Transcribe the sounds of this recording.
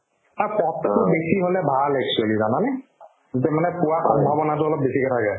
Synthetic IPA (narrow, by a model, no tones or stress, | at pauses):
apɔttʊbesiɦolɛbʱalɛk̚t͡ʃualizananɛ | tɛmanɛpʊwasɔbʱabɔnatʊɔlɔp̚besikɛtʰakɛ